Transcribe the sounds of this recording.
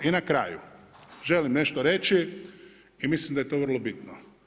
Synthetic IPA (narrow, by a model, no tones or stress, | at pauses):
inakɾa̰ːjṵʒe̞limne̞ʃt̪oɾe̞t͡ʃi | imislimd̪aje̞t̪o̞ʋr̩lˠobit̪no